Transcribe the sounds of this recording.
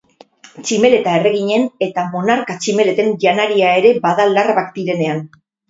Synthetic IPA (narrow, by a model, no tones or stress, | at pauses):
t͡ʃime̞le̞t̪ae̞re̞ɣ̞iɲe̞ne̞t̪amo̞naɾkat͡ʃime̞le̞t̪e̞nʝanaɾiae̞ɾe̞baðalarβakd̪iɾe̞ne̞an